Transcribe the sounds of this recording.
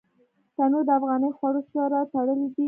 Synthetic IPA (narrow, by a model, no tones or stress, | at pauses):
t̪anod̪əafɣɑnəjxwaɽot͡ʃɑɾat̪aɽəlid̪i